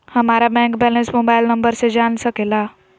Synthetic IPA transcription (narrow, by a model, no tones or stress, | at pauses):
həmaɾabɛ̃ŋkbɛlesmobajlnəmbəɾsed͡ʒansəkela